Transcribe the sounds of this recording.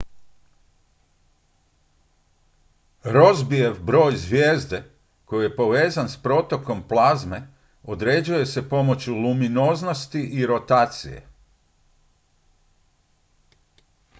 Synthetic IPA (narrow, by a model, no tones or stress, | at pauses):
ɾo̞zbieʋbɾo̞ːjzʋjeːzd̪e̞ | ko̞jije̞po̞ʋe̞ːzanspɾo̞t̪o̞ko̞mplˠaːzme̞ | od̪ɾe̞d͡ʑuje̞se̞po̞mo̞t͡ɕjulumino̞zno̞st̪iʔiɾo̞t̪aːt̪sḭje̞̰